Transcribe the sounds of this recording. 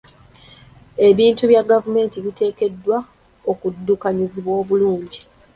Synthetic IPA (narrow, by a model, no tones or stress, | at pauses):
e̞βiːntuβjaɡavume̞ːntiβite̞ːke̞dːwa | o̞kudːukaɲiziβwo̞ːβuluːɲɟi